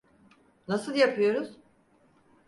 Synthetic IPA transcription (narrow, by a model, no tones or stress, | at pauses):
nasɯlˠjapʰɯjo̞ɾuz̥